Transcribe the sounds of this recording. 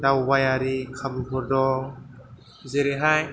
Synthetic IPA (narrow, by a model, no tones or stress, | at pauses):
dawbajaɾikʰabubɔɾdɔ | zeɾeɦaj